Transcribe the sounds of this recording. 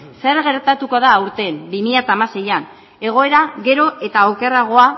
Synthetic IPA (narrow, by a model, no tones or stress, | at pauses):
se̞ɾɣe̞ɾt̪at̪uko̞ð̞aːwɾt̪e̞mbimiʎat̪aːmase̞jan | e̞ɣ̞o̞e̞ɾaɣe̞ɾo̞ʔe̞t̪aokeraɣ̞o̞a